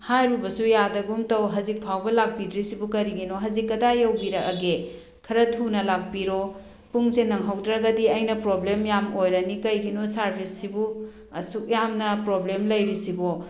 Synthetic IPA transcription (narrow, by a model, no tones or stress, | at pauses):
hajɾubɐsujadɐɡumtɐwɦɐzik̚pʰawbɐlak̚bidɾisibukɐɾiɡinoɦɐzikːɐdajɐwbiɾɐkɐɡe | kʰɐɾɐtʰunɐlak̚biɾo | puŋsenːɐŋɦɐwdɾɐɡɐdiɐjnɐpɾoblemjamojɾɐnikɐjɡinosaɾpʰisːibu | ɐ̰suk̚jamnɐpɾoblemlɐjɾisibo